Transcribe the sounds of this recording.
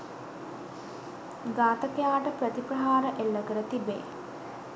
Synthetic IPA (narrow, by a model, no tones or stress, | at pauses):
ɡaːt̪əkejaːʈəpɾət̪iprɐɦaːɾəʔelːəkəɾət̪ibḛː